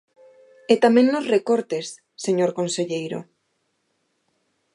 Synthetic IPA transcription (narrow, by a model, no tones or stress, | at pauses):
et̪amẽŋnozrekoɾt̪esː | eɲoɾkonseʎejɾo̰